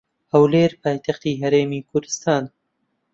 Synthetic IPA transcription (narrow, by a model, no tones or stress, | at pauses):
hɐwleːɾpʰaːjt̪ɐxt̪iːɦɐɾeːmiːkʰʊɾd̪ɨst̪aːn